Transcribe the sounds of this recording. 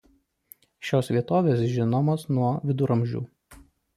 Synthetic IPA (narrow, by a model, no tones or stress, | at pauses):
ʃʲoːsʋʲiɛt̪oːʋʲeːsʒʲɪnɔmoːsnuɔʋʲɪd̪ʊɾɐmʲʒʲṵː